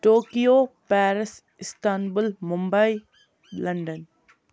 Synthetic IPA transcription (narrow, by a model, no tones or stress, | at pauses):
ʈoːkijoːpɛːɾɪs | ɪsʈaːnbʊlmʊmbai | lɐ̃ɳɖən